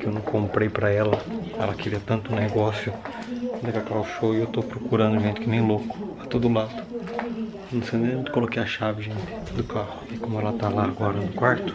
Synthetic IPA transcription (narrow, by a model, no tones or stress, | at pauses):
kɪewnɐ̃w̃kõmpɾejpɾɐɛlɐɛ̰lɐkɪɾiɐt̪ɐ̃nt̪ʊneɡɔsjʊ̃ | d̪ɐkakaʊʃowɪewt̪opɾokuɾɐ̃nd̪ʊʒẽnt̪ɪkɪnẽj̃lokʊ̥ɐt̪od̪ʊlad̪ʊ | nɐ̃w̃sẽd̪ẽẽt̪ɪ̥kolokejaʃavɪʒẽnt̪ɪ̥d̪ʊkahʊɪkõmʊɛlɐt̪alaːɡɔɾɐnʊkwaɾt̪ʊ̥